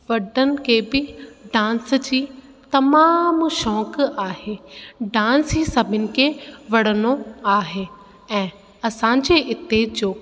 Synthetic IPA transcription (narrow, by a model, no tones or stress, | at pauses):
ʋɐɖənɪ̆kʰeːbɪɖãːnsd͡ʑiː | t̪ɐmaːmʃɔːkaːɦeːɖãːnsiːsɐbʱɪnɪ̆kʰeːʋɐɽ̤ənoaːɦeː | ɛ̃ː | ɐsãːɲd͡ʑeʔɪt̪ed͡ʑoː